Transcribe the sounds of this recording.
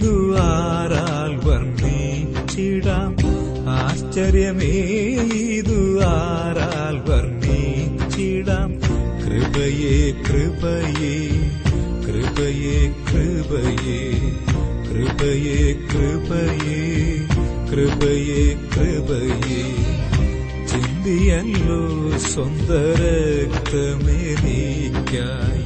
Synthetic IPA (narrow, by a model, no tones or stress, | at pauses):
ðuaːɾaː | lʋɐrniː | t͡ɕiɽaːm | aːst͡ɕɐɾjɐmeiðuaːɾa | lʋɐɾnit͡ʃiɽaːmkɾɪbɐjekɾɪbɐje | kɾɪbɐjeːkɾɪbɐje | kɾɪbɐjekɾɪbɐje | kɾɪbɐjekɾɪbɐje | t͡ʃɪnd̪ijɛnloː | sɔnd̪ɐɾɐkt̪ɐmeːni | kːaː